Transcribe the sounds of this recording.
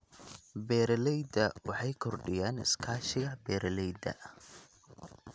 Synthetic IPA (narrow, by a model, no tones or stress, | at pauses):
bɛːɾɐlɛjd̪ɐwɑħɑjkʰɔrɖɪjaːnɪ̰skʰaːʃɪɣɐbɛːɾɐlɛjd̪ɐ̰